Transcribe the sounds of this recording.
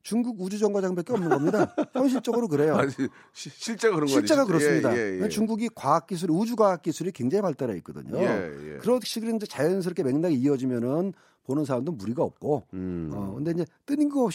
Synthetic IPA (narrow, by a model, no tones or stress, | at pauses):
t͡ɕuŋɡuɡud͡ʑud͡ʑʌŋɡwad͡ʑaŋɯmbek͈eʌmnɯnɡʌmɲidaçjʌnɕ̬ʰiɭt͡ɕ͈ʌɡɯɾok̬ɯɾe̞jo | ɕʰiɭt͡ɕ͈eakɯɾʌɕɡiɭt͡ɕ͈eɡakɯɾʌs͈ɯmɲidat͡ɕuŋɡuɡikwaːk̚k͈isʰuɾiud͡ʑuɡwaːk̚k͈isʰuɾikwe̞ŋd͡ʑaŋipaɭt͈aɾaḭk͈̚ʌdɯ̰ɲokɯɾʌɕʰiɡɯɾɯniɲd͡ʑe̞t͡ɕajʌns̬ʰɯɾʌkʰeme̞ŋnaɡiiʌd͡ʑimjʌnɯn | ponɯnsʰaɾamdomuɾiɡaʌp̚k͈oʌ̰kɯnde̞iɲd͡ʑe̞t͈ɯɲinɡʌpɕ